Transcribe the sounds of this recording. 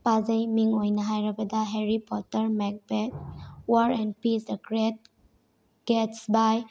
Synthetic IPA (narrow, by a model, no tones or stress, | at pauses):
pad͡ʒɐjmiŋojnaɦajɾabadaɦeɾipɔtəɾmɛk̚bɛtwaɾɛ̃npisəkɾet̚ | ɡ̥ɛtsbaj